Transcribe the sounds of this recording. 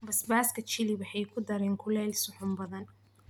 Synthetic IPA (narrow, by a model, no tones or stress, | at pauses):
bɐsbaːskʰɐt͡ʃɪliwɑħɑjkʰʊd̪ɐɾɛːŋkʰʊlɛːlsʊħʊmbɐðɐn